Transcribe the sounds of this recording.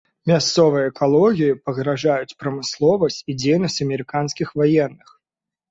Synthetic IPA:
mʲast̪sɔvɨjɐɛkalˠɔɣʲijipɐɣɾaʐajut͡sʲpɾɐmɨslˠɔvɐsʲt͡sʲid͡zʲejnɐsʲt͡sʲɐmʲɛɾɨkanskʲixvajɛnːɨx

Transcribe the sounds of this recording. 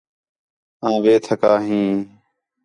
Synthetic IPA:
ãːʋeːt̪ʰəkaːɦĩː

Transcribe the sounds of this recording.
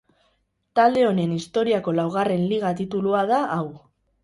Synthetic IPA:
t̪ald̪e̞o̞ne̞nist̪o̞ɾiako̞lawɣ̞are̞nliɣ̞at̪it̪uluað̞aʔaw

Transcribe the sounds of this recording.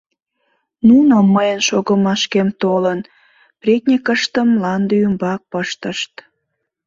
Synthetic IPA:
nunomːəjənʃoɣəmɑʃkemt̪olən | prʲet̪̚ʲnʲekəʃt̪əmlɑnd̪yymbɑk̚pəʃt̪əʃt̪

